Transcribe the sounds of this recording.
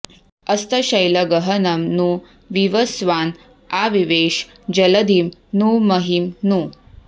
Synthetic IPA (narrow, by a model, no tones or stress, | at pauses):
ɐst̪ɐɕɐjlɐɡɐɦɐnɐmnu | ʋiʋɐsʋaːn | aʋiʋeːʃ | d͡ʒɐlɐd̪ʱimnumɐɦimnu